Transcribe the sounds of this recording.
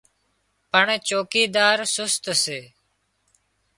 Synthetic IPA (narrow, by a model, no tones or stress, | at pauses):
pəɳt͡ʃoːkiːd̪aːɾsʊst̪seː